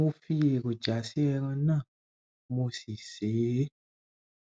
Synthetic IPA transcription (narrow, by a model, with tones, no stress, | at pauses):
mo˧fi˧e˨ko˨d͡ʒa˨˦si˦ɛ˧ɾ̃ã˧nãː˦˨ | mo˧si˨se˨˦